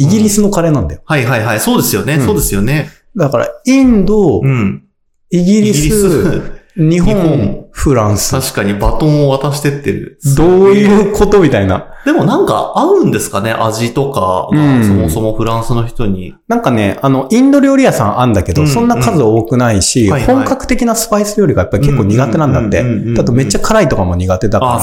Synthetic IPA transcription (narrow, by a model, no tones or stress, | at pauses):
iɡʲiɾʲisɨno̞kaɾe̞nãnd̪a̰johaiɦaiɦaiso̞ːd̪e̞sɨjo̞ne̞soːd̪esɨjone̞ | d̪akaɾa̰ĩnd̪õ̞ | iɡʲiɾʲissɨ | ɲ̟iɦõŋõɸɯ̟ɾãɰ̃sɨ̥aɕi̥kaɲ̟ibat̪õɰ̃oβat̪aɕi̥t̪e̞t̪ːe̞ɾɯ̟̰d̪oːjɯːkʰo̞t̪o̞mʲit̪aina̰ | d̪e̞mo̞nãŋka̰aɯ̟̃nd̪e̞sɨ̥kane̞ʔaʑit̪o̞ka̰ɡɯ̟̃somoso̞mo̞ɸɯ̟ɾãɰ̃sɨno̞çi̥t̪o̞ɲ̟ḭ | nãŋkane̞ano̞ʔĩnd̪o̞ɾʲioɾʲiasãɰãnd̪ake̞d̪o̞sõ̞nːakazɨaoːkɯ̟naiɕihõ̞ŋkakɯ̟t̪e̞kʲinasɨ̥paisɨɾʲjoɾʲiɡajapːaɾʲike̞kːoːɲ̟iɡat̪e̞nãnd̪a̰t̪ːe̞̰d̪at̪o̞me̞t͡ɕːakʰaɾait̪o̞kamo̞ɲ̟iɡat̪e̞d̪aka